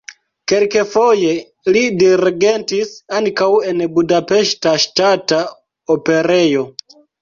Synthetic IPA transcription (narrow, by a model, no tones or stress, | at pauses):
kelkefoje | lidiɾɡentisankawenbudapeʃtaʃtata | opeɾejo